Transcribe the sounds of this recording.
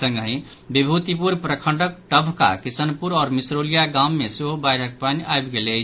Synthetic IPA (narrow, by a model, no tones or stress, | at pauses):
sə̃ŋɡɦĩ | bibʱut̪ipuɾpɾəkʰə̃ɳɖək̚ʈəbʱka̰kisənpuɾɔːɾmisɾolijaɡamːeseɦobajɽ̤ʱək̚paniʔaebɡelət͡ʃʰ